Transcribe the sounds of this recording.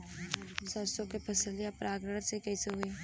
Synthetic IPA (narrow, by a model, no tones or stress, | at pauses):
sasõkepʰɐsəljapɾʔaːɡɾəɽsekɐiseɦʊeː